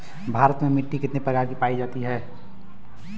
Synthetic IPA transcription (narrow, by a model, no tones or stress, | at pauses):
bʱaːɾət̪memɪʈːikɪt̪nepɾəkaːɾkipaːid͡ʒaːt̪iɦɛː